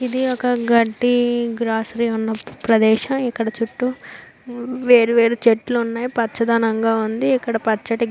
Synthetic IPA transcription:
id̪iɔkɐɡɐʈːiɡɾaːsɐɾiːunːɐpɾɐd̪ɛːʃɐmikːɐɽɐt͡ʃuʈːu | ʋe̞ːɾuʋe̞ːɾut͡ʃeʈluunːaːjipɐt͡ʃːɐd̪aːnɐŋɡaːund̪iːkːɐɽɐpɐt͡ʃːɐʈi

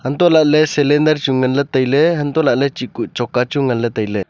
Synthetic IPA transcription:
hant̪ɔlaʔlɛsɛlɛndaɾt͡ʃuŋanlɛt̪əjlɛɦant̪ɔlaʔlɛt͡ʃikuʔt͡ʃɔkat͡ʃuŋanlɛt̪ajlɛ

